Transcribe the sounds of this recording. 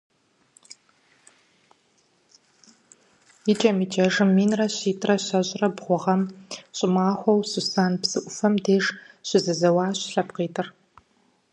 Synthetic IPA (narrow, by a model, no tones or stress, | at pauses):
it͡ʃʼɐmiːt͡ʃʼɐʐɨmːiːnrɐɕiːtʰʼrɐɕɐɕʼrɐbʁʷʊʁɐmɕʼɪmaːxʷɔwsɨsaːnpsɨʔʷʊfɐmdeːʐ | ɕɪzɐzɐwɑːɕɬɐpqiːtʰʼɨr